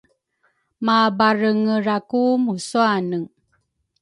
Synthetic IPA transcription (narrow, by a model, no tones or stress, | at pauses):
mabaɾəŋəɾakumusuanəŋ